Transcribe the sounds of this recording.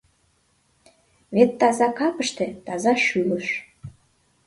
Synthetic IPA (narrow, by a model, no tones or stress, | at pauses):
βet̪ːɑzɑkɑpəʃt̪ĕt̪ɑzɑʃyləʃ